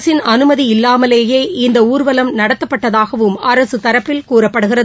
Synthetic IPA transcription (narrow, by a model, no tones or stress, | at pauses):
sɪnɐnɯmɐðiɪlːaːmɐleːjeːɪnd̪ɐuːɾʋɐlɐmnɐɽɐt̪ːɐpːɐʈːɐðaːɣɐʋɯmɐɾɐsɯt̪ɐɾɐpːɪlkuːrɐpːɐɽɯɣɪrɐ